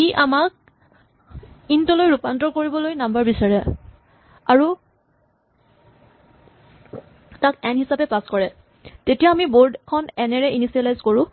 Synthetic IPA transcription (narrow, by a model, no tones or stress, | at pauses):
kiʔamak̚ | intɔlojɹupantɔkoɹibɔlojnambaɹbisaɹɛ | aɹu | takɛnɦisapɛpaskɔɹɛ | tetijaːmiboɹdkʰɔnɛnɛɹɛinisialajzkoɹʊ̃